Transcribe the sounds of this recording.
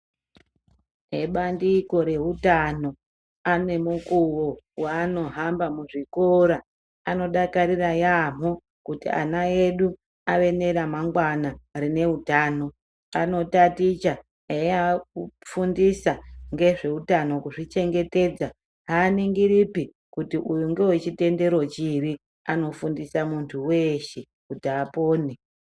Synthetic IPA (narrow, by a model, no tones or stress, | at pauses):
e̞ɓandiko̞ɾe̞ɦutano̞ | ane̞mukuwo | waːno̞ɦambamuʐikoɾa | ano̞ɗakaɾirajam̤o | kutḭʔa̰naeɗu | aʋe̞ne̞ɾamaŋɡwanarine̞utaːno̞ | ano̞tatit͡ʃa | aafundisaŋɡe̞ʐe̞utano̞kuʐit͡ʃe̞ŋɡe̞te̞ːd͡za | ɦaːniŋɡiɾipi | kutiʔujuŋɡe̞wet͡ʃite̞nde̞ɾo̞t͡ʃiri | ano̞fundisamuntʰuwe̞ʃe | kutiapo̞ːne